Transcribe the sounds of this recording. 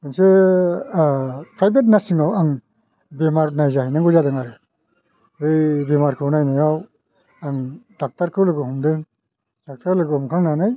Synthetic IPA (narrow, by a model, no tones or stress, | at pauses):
ɯnse | pʰɾajbet̬̚nasiŋawaŋ | bemaɾnajzahijnaŋɡɯzadɯŋaɾɯ | bɯjbemaɾkʰɯwnajnajaw | aŋdak̚taɾkʰɯwlɯɡɯhumdɯŋ | dak̚tʰaɾlɯɡɯhumkʰaŋnanɯj